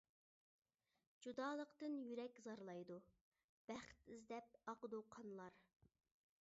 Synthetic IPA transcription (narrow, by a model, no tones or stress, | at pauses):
d͡ʒud̪ɑːlˠəqt̪ɨnjyɾɛkʲzɑɾlˠɑjd̪u | b̥æχt̪izd̪ɛp̚ɑqəd̪uqʰɑnlˠɑɾ